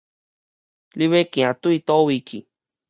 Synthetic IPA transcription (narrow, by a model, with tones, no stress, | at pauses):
li˦βe˦kĩ˨ã˨t̪u˦i˧t̪o˦wi˧kʰi˨